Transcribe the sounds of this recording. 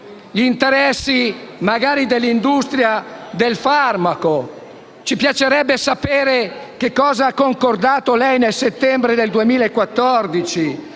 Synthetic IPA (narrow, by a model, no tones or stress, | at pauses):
ʎint̪eɾɛsːimaɡaːɾid̪elːind̪ust̪ɾjad̪elfarmako | t͡ʃipjat͡ʃeɾɛbːesapeːɾek̟ekːɔːzaakːoŋkord̪aːt̪olɛjnelset̪ːɛmbɾed̪eld̪uemiːlaekːwat̪ːɔrd̪it͡ʃi